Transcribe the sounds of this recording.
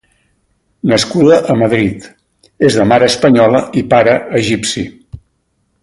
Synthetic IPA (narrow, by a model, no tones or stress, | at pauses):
nəskuðəʔəməðɾit̪ | ezðəmaɾəːspəɲɔləipaɾəəʒipsi